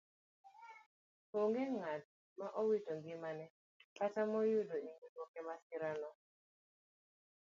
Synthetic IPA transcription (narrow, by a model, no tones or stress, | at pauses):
poŋɡɛŋat̚ | maʔowitoŋɡɪmanɛ | katamɔjʊdoiŋɡutwɔkɛmasɪɾanɔ